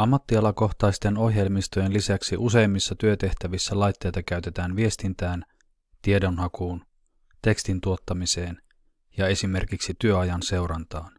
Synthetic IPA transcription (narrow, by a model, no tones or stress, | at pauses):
ɑmːɑt̪ːiɑlɑko̞xt̪ɑjst̪e̞no̞hje̞lmist̪oje̞nlisæksiʔuse̞jmːisːɑt̪yø̞t̪e̞ht̪æʋisːælɑjt̪ːe̞jt̪ɑkæɥt̪e̞t̪æːnʋie̞st̪int̪æːn | t̪ie̞do̞nɦɑkuːn | t̪e̞kst̪int̪uo̞t̪ːɑmise̞ːn | jɑe̞sime̞rkiksit̪yøɑjɑnse̞wɾɑnt̪ɑːn